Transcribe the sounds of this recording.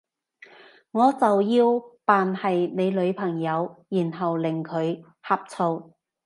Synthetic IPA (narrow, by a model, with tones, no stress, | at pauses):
ŋɔː˨˧t͡sɐ˨wjiː˧wpaː˨nhɐ˨jne˨˧jlɵ˨˧ɥpʰɐ˨˩ŋjɐ˨˧wjiː˨˩nɦɐ˨wlɪ˨˩ŋkʰɵ˨˧ɥ | hɐː˧p̚t͡sʰo˧w